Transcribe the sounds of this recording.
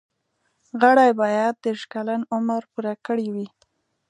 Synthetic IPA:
ɣaɽajbɑjad̪̚d̪eɾʃkalanʊmaɾpuɾakəɽiwi

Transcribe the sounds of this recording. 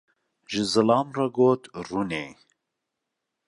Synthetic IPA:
ʒɨzɨlɑːmrɑɡoːt̪runeː

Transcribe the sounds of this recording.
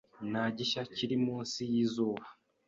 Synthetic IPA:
naɟiʃaciɾimuːnsijizuːβa

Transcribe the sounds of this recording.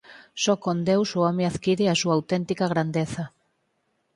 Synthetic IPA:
sɔkond̪ewsʊɔmẽaðkiɾɪasuaːwt̪ɛnt̪ikaɣ̞ɾand̪eθɐ

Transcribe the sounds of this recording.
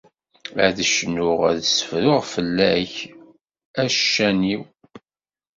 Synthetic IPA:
æ̰ðəʃənʊʁæðsə̥fɾʊʁfəlːæç | æʃæniw

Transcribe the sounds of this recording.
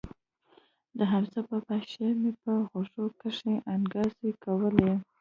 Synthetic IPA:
d̪əɦaɾt͡sapəpaʃemepəɣoʂokəʂeʔanɡɑzekawəle

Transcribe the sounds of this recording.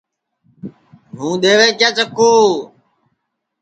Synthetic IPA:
ɦũːɗ̪eːʋeːt͡ʃaːt͡ʃəkuː

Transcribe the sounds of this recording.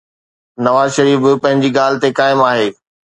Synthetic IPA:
nɐʋaːzʃɐɾiːfɪpɐ̃ɦɪ̃ɲd͡ʑiɡaːlɪt̪ekaːɪmaːɦeː

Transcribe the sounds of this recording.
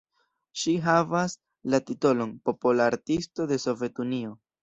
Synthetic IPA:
ʃiɦavas | latito̞lo̞npo̞polaɾtisto̞de̞so̞vje̞tunio̞

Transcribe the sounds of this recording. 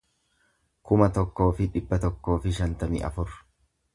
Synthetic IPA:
kʊmɐt̪ɔkːo̞ːfɪᶑɪbːɐt̪ɔkːo̞ːfɪʃɐnt̪ɐmiʔɐ̰fʊɾ

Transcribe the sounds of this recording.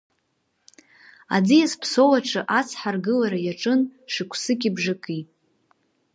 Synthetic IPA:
a̰d͡zijaspʰso̞waʈ͡ʂʰɨʔat͡sʰħarɡɨlaɾajaʈ͡ʂʼɨnʂɨkʷʰsɨkʲʼibʐɨkʼi

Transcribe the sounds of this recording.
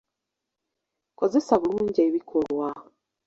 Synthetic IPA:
kozesaβuluːɲɟeβikʰoɾwa

